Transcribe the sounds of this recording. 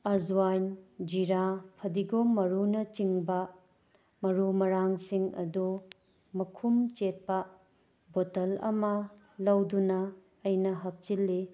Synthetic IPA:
ɐzuwajnd͡ʒiɾapʰɐdiɡomɐɾunɐt͡ʃiŋbɐ | mɐɾumɐɾaŋsiŋɐ̰du | mɐkʰumt͡ʃet̚pɐ | botɐlɐ̰mɐ | lɐwdunɐː | jnɐɦɐp̚t͡ʃilːi

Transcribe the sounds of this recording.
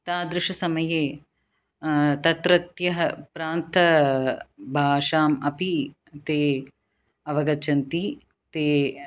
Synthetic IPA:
t̪aːd̪ɾɪʂɐsɐmɐjeː | t̪ɐt̪ɾɐt̪jɐɦɐpɾaːnt̪ʰɐ | bʱaːʂaːmɐpi | t̪eː | ɐʋɐɡɐt͡ʃɐnt̪i | t̪eː

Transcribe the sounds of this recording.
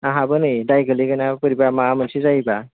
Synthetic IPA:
aɦabɯnɯjdajɡɯliɡanapɯɾibamamɯnsizajba

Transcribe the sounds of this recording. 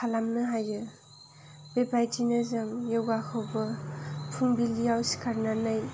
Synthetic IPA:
kʰalamnɯɦajɯ | b̥ebajtʰinɯzaŋjewɡakʰawbɯpʰuŋbilijawsi̥kʰaɾnanaj

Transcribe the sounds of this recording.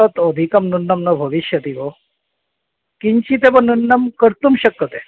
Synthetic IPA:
ət̪od̪ʱikɐmnunːəmnəbʱəʋiɕjɐt̪iɦo | kiɲt͡ɕiːt̪eʋanunːəmkəɾt̪umɕəkːət̪e

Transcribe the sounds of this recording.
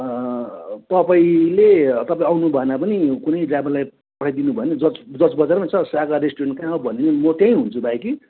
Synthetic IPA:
t̪ʌpaĩlet̪ʌpaĩawnubʱʌenapʌnikunʌjɖrabalaj | pʌʈʰajd̪inubʱʌened͡zʌt͡sd͡zʌt͡sbʌd͡zarmat͡sʰʌsaɡaɾesʈurenkãabʱʌnenʌmʌt̪jãĩɦunt͡sʰubajki

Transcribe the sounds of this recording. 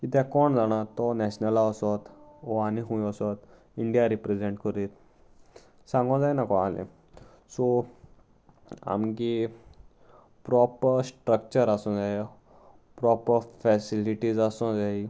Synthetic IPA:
kit̪ɛ̃kɔɳd͡zaɽ̃at̪ɔnɛɕnəlaəsɔt̪ɔaniɦũjəsɔt̪ | iɳɖijaɾipɾed͡zeɳʈkəɾiːt̪ | sãŋɡɔ̃d͡zajnakɔalḛ̃ | sɔ | a̰mki | pɾɔpəɾsʈɾək̚t͡ɕəɾasɔ̃d͡zaj | pɾɔpəɾfɛsiliʈid͡zasɔ̃d͡zai

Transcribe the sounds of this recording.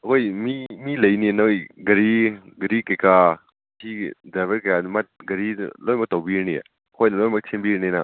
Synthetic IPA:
ɐkʰojmimilɐjninɐjɡɐɾiɡɐɾikɐjka | tʰidabəɾkɐjanmat̚ɡɐɾḭlojmɐk̚tawbiɾnijḛ | kʰojnɐlojmɐk̚tʰimbiɾnina

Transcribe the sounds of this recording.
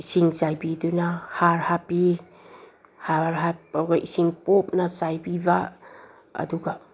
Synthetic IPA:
isiŋt͡ʃajbidunahaɾhapi | haɾɦap̚ɡaʔisiŋpop̚nɐsajbiba | ɐ̰duɡa

